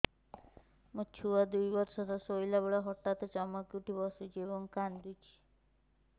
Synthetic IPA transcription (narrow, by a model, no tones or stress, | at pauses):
mut͡ʃʰuad̪ujbɔɾsɔt̪ɔsojlabɔɭaɦɔʈːat̪et͡ʃɔmakuʈibɔsut͡ʃʰiebɔŋkand̪ut͡ʃʰi̥